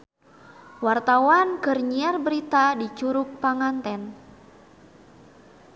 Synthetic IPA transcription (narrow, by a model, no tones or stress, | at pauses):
wart̪awanɡərɲiarbəɾit̪adit͡ʃuɾʊk̚paŋant̪ɛn